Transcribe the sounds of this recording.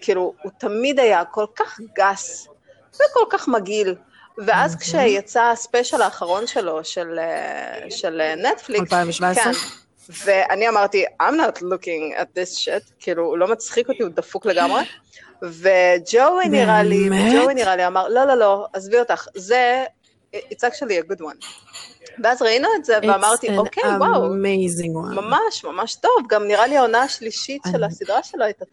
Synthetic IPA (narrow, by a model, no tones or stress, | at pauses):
kʰiːluut̪amid̪ajako̞lkaχɡas | veko̞lkaχmaɡil | veazkʃejat͡saspeʃalaːχaʁo̞nʃe̞lo̞ʃelḛʃelenet̪flikksajvken | veʔaniamaʁt̪iajmnɔtlukĩŋæ̰t̪̚ðisʃetkʰiːluːlo̞mat͡sχikot̪iud̪ɐfukle̞ɡamʁe | ved͡ʒowiniʁalived͡ʒowiniʁaliamaʁlo̞lo̞lo̞azviot̪aχze | it͡sakʃulieɡudwan | veazʁainuetzeveamaʁt̪iokewawmejziŋwamamaʃmamaʃto̞vɡamniʁaliaonaaʃliʃitʃelasidʁaʃeloajta